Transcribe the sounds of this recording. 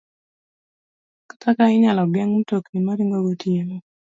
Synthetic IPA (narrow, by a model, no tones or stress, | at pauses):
kḁtakaɪɲalɔɡɛŋm̩toknimaɾiŋɡoɡotieno